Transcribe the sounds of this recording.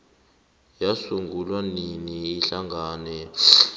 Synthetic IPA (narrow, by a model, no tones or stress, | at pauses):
jasuŋɡʱulwaniniːɬaŋɡʱaːnɛ